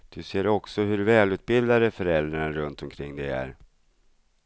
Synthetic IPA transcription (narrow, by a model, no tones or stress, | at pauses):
d̪̥ɵseːɾɔksɔɦɵɾvɛːlʉ̟ːt̪̚bɪld̪ad̪əfœɾɛld̪ɾaɳaɾɵnt̪ɔmkʰɾɪŋːd̪ɛæ̰ɾ